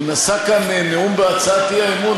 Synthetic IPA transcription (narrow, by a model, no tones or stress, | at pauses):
nasakanɛnɛumbɛat͡sat̪iaimu